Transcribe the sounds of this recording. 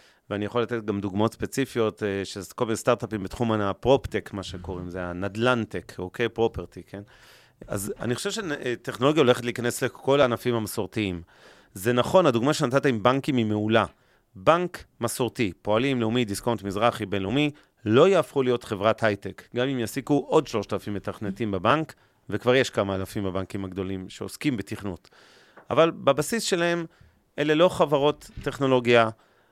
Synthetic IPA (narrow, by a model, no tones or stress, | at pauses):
veanijaχolat̪e̞t̚ɡamd̪uɡmao̞t̪spet͡sifijo̞tʃekolminest̪aʁt̪apimbet̪χumaapʁo̞pt̪ekmaʃeko̞ʁimzeanad̪lant̪ikʰokejpʁo̞peʁt̪ikʰen | a̰za̰niχoʃevʃete̞χno̞lo̞ɡjao̞le̞χetlikane̞slekʰo̞laːnafimhamasoʁt̪iim | ze̞naχo̞nad̪uɡmaʃenat̪at̪aimbaŋkimimeula | baŋkmaso̞ʁt̪ipo̞alimleumid̪iskont̪mizʁaχibe̞nleumi | lo̞jaːfχulijo̞t̪χe̞vʁathajtekɡamimjasikuʔo̞dʃlo̞ʃtaːlafimːe̞t̪aχnetimbabaŋk | vekvaʁje̞ʃkamaːlafimbabaŋkimaɡd̪o̞limʃe̞oskimbet̪iχnut | ʔa̰valbabasisʃe̞lahe̞m | ʔe̞le̞lo̞χavaʁo̞t̪ːe̞χno̞lo̞ɡja